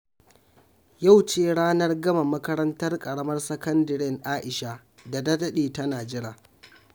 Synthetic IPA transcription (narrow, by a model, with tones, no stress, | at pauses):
ja˦˨wt͡ʃeː˦˨ɽaː˦nɐ˦rɡɐ˦ma˨mɐ˦kɐ˦ɾɐ˦ntɐ˦rkʼɐ˨ɽɐ˦mɐ˦rsɐ˦kɐ˦ndɐ˨ɽɪ˦ŋʔaː˦ʔɪ˨ʃa˦ | da˨dɐ˦dɐ˦ɗeː˨tɐ˦naː˨d͡ʒɪ˦ɽaː˨